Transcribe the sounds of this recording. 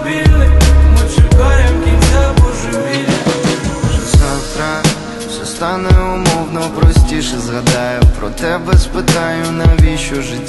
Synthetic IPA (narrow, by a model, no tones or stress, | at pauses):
ʋʲilʲnɪmɪt͡ʃɪkɑjʊmkʲinsʲabɔʒʊʋʲilʲnɪʃɛsat̪ɾa | sʲɛst̪ɑnɛʊmɔwnɔpɾɔsʲtʲiʃɛzɦɐd̪ɑjʊpɾɔ̰t̪ɛbɛspɪt̪ɑnʲjʊnɐʋʲiʃʊʒɪtʲː